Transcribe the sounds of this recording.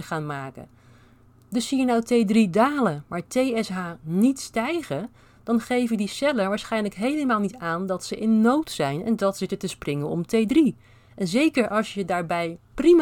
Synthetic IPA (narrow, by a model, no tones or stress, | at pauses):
əχaːnmaːkə̰ | dɵsijənɔwtejdridaːləmaːɹtejɛsɦaːnitstɛjχən | d̥ɑnχejvədisɛləɹʋaːɹsχɛjnləkɦejləmaːlˠnitaːndɑtsəʔɪnːowtsɛjnɛ̰ndɑtsɪtətəsprɪŋəɔ̰mtejdri | ʔɛnzejkəɹʔɑlˠʃjədaːɹbɛjprim